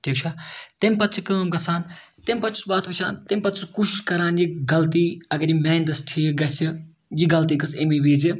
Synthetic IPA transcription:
ʈʰiːkt͡ʃʰat̪emʲpɐt̪t͡ʃʰikɨmɐmɡɐsʰaːn | t̪emʲpɐt̪ʰsbaːt̪ʰʋut͡ʃʰa̰ːnt̪emʲpɐt̪sukuʃiʃkɐɾaːnjiɡɐlt̪iːɐɡɐɾimɛːnd̪ɐsʈʰiːɡɐsʰi | jiɡɐlt̪iːɡɐsemibiːd͡ʒi

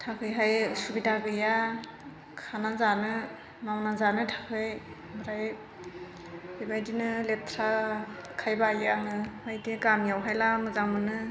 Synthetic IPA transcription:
tʰakʰɯjɦajsubidaɡɯja | kʰanazanɯ | mawnazanɯtʰakʰɯj | bɾaj | bibajdinɯletʰɾakʰajbajaŋɯbajdeɡamijawɦajlanɯzaŋmɯnɯ

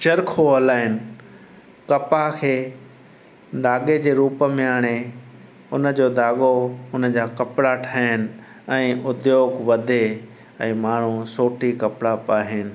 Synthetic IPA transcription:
t͡ɕɐɾkʰoɐlaːɦɪnɪ̆ | kɐpakʰeː | d̪aːɠed͡ʑeːɾuːpəmẽaːɽ̃e | ʊnə̆d͡ʑoːd̪aːɠoʊnəd͡ʑaːkɐpɽaʈʰaːənɪ̆ | ɛ̃ːʔʊd̪joːɡʋɐd̪ʱe | ɛ̃ːmaːɳ̤̃usoːʈikɐpɽapaːɦɪnɪ̆

